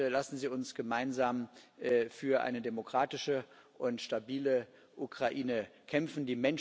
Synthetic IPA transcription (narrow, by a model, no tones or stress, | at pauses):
lasn̩ziːʊnsɡ̥əmaɪnzaːmː | fyːɐʔa̰ɪnədemokʁ̥aːtɪʃə | ʔʊntʃtabiːlə | ʔukʁ̥aʔiːnəkʰɛmfn̩diːmɛn